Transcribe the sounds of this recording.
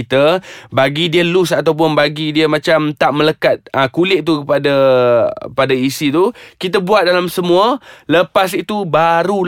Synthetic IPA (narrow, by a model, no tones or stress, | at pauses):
t̪əbaɡidiəlusat̪awp̬ʊnbaɡidiəmat͡ʃamt̪aʔmələkat̪̚ə̃kulɪʔ̚t̪ukəpada | padaisit̪ukit̪əbuat̪̚dalamsəmũələpas̬it̪ubaɾul